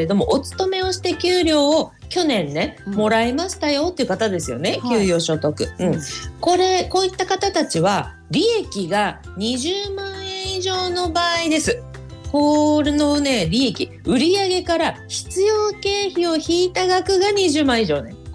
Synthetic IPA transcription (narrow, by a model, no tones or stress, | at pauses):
ed̪o̞mo̞ʔot͡sɨ̥t̪o̞me̞o̞ɕi̥t̪e̞kʲɨːɾʲo̞ːkʲo̞nẽ̞nːe̞mo̞ɾaemaɕi̥t̪ajo̞t̪ːe̞iɯ̟kat̪ad̪e̞sɨjo̞̰ne̞kʲɨːɾʲjo̞ːɕo̞t̪o̞kɯ̟ɯ̟̃ɴko̞ɾe̞ko̞ːit̪ːakat̪at̪at͡ɕiβa | ɾʲie̞kʲiɡa | ɲ̟iʑɨːmãɰeiʑo̞ːno̞baːid̪e̞sɨ | koɾeno̞ne̞ɾʲie̞kʲi | ɯ̟ɾʲiaɡe̞kaɾaçi̥t͡sɨjo̞ːke̞ːçio̞çiːt̪aɡakɯ̟ɡaɲ̟iʑɨːmãɰ̃iʑo̞ːnḛ